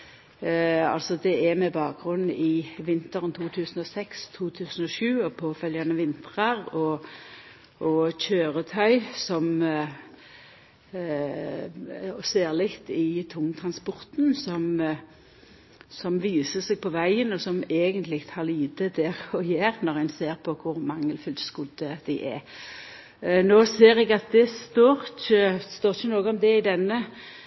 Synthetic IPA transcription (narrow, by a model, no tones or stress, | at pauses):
ɑ̰lsɔd̪ɛɛmɛbɑːk̚ɡʁʉn̩ːɪʋɪnt̪əʁənt̪ʰuːt̪ʰʉːsən̩ɔsɛkst̪ʰuːt̪ʰʉːsən̩ɔʃʉːɔpʰɔfœljɑnəʋɪnt̪ʁɑɾɔ | ʔɔçøːʁət̪ʰœʏsɔm | ɔseːʁlɪkt̪ɪt̪ʰʊŋːt̪ʰʁɑnspɔʁt̪n̩sɔm | sɔmʋiːsəsɛɡ̚pʰɔʋæɪənɔsɔmeːɡənt̪ʰlɪɡt̪ʰhɑʁliːd̪əd̪ɛɾɔjæːʁnɔʁæɪnseːʁpʰɔkʰʊɾmɑŋːəlfʏlt̪skʊd̪əd̪̥æɪʔɛ | noːseːɾɛɡɑt̪̚d̪ɛst̪oːɾçəst̪oːʁçənoːɡəɔmd̪ɛɪd̪ɛnːə